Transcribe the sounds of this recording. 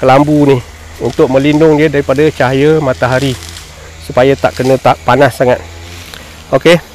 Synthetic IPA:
kəlambunɪh | unt̪ʊk̚mə̃linʊŋdiədaɾipadət͡ʃaɦajəmat̪aɦaɾi | supajət̪aʔkənə̃t̪aʔpanasːaŋat̪̚ | oke

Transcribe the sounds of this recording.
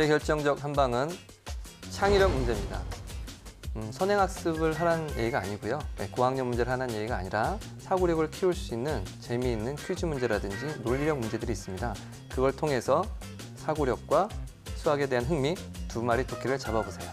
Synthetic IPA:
ekjʌɭt͡ɕ͈ʌŋd͡ʑʌk̚ɦanbaŋɯn | t͡ɕʰaŋiɾjʌk̚mund͡ʑe̞mɲida̰ | sʰʌnɦe̞ŋɦak̚s͈ɯbɯɭɦaɾanje̞̰ɡiɡaːɲiɡujoje̞koɦaŋɲʌŋmund͡ʑe̞ɾɯɭɦananje̞ɡiɡaːɲiɾa | sʰaɡoɾjʌɡɯɭkʰiuɭs͈uinːɯnt͡ɕe̞miːnːɯnt͡ɕʰɥid͡ʑʰumund͡ʑe̞ɾadɯnd͡ʑinoʎːiɾjʌk̚mund͡ʑe̞dɯɾiːs͈ɯmɲida | kɯɡʌɭtʰoŋe̞sʰʌ | sʰaɡoɾjʌk̚k͈wa | sʰuɦaɡe̞dwe̞ɦanɦɯŋmitumaɾitokʰiɾɯɭt͡ɕabʌbosʰe̞jo

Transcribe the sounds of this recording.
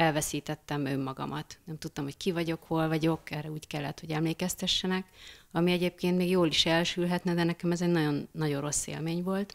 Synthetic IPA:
ɛlvɛsiːt̪ɛt̪ːɛmømːɒɡɒ̰mɒt̪nɛmt̪ut̪ːomho̞ckivɒɟo̞kholvɒɟo̞kɛrːɛuːckɛlːɛt̪hoɟɛmleːkɛst̪ɛʃːɛnɛkɒmiɛɟeːp̚keːnt̪meːɡjoːliʃɛlʃylɦɛt̪nɛd̪ɛnɛkɛmɛzɛɟnɒɟo̞nːɒɟo̞ro̞sːḛːlmeːɲvo̞lt̪

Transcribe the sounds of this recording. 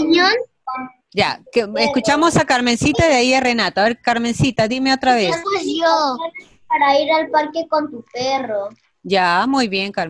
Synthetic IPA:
ɲo | d͡ʒa̰keeskut͡ʃamosakaɾme̞nsit̪aðaiare̞nat̪oaβeɾkaɾme̞nsit̪aðime̞ot̪ɾaβeoo | aɾaiɾalpaɾkekont̪upero | d͡ʒamujβje̞ŋkaɾm

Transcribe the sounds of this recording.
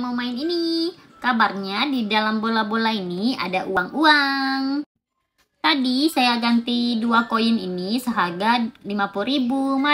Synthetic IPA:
momaɪnini | kabarɲadidalambolabolainia̰daʔuaŋuaŋ | t̪adisajaɡant̪iduakoininisəɦaɡalimapulribuma

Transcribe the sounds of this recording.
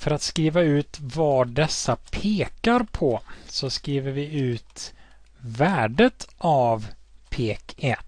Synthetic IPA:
fœɾat̪skɾiːvaʉ̟ːt̪vɑd̪ɛsːapʰeːkaɾpʰɔsɔskɾiːvəɾvɪʉ̟ːt̪ | væːɖət̪ʰʔavpʰeːkɛt̪

